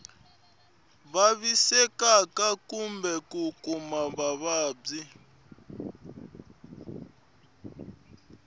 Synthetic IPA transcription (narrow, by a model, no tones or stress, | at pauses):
βaβisɛkakakumbɛkukʼumaβaβaːb͡ʐi